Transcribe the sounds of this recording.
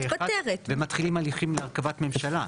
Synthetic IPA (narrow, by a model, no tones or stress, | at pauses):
eaadeʁetvemat̪χilimaliχimleaʁkavatme̞mʃala